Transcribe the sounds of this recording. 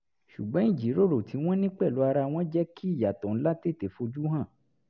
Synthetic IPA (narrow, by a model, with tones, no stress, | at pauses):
ʃu˨ɡ͡bɔ̃˨˦ĩ˦˨d͡ʒi˨˦ɾo˦˨ɾo˨tʰi˨˦w̃ɔ̃˦nĩ˦k͡pɛ˦˨lo˨˦a˧ɾa˧w̃ɔ̃˦d͡ʒɛ˦ki˦i˦˨ja˨tɔ̃˨n̩˦la˦te˦˨te˨fo˧d͡ʒu˦ɦã˦˨